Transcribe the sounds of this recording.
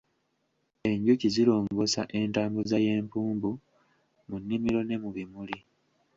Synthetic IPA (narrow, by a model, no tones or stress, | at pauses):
e̞ɲɟucizilo̞ːŋɡo̞saʔe̞ntaːmbuzaje̞ːmpuːmbu | munːimiɾo̞ne̞muβimuli